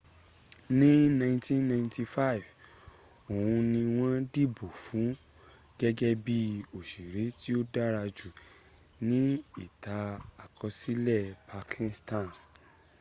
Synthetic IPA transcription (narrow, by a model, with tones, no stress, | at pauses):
nĩ˦nã˧ĩ˧ntĩ˦nã˧ĩnti˧fa˦˨i˨v | o˨wũ˧nĩ˧w̃ɔ̃˦di˦˨bo˨fũ˨˦ | ɡ̥ɛ˦ɡɛ˦bi˦o˨ʃe˨ɾe˨˦ti˦o˦da˦ɾa˧d͡ʒu˦˨ | nĩ˦i˦˨ta˨˦a˨kʰɔ˧si˦lɛ˦˨pa˧kʰĩ˧nstã˦˨